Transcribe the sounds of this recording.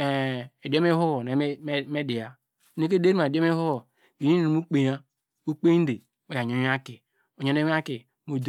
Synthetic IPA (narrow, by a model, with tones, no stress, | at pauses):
e˨e˨do˦m˦e˦ɦu˦o˨ne˨˦me˦di˨ja˨˦ | ne˦k̬e˦de˦ɾi˦a˨do˦me˦hu˦o˨ | wi˨˦˨o˨mu˦k͡pe˨ja˦ | u˦k͡pe˦n˦de˨ | e˦ja˨ɲ˨o˨˦a˦ki˨ | o˨ɲo˨˦e˦a˦ki˨ | mo˨d